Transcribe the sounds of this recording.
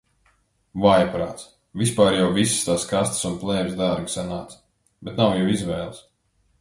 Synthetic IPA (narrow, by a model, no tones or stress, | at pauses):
vajpɾa̰ːt̪s | vʲispaːɾjawvisi̥st̪aːskast̪sunplˠɛːvzd̪aɾɡi̥sanaːt̪s | bɛt̪nawjɛwizʋɛːlˠs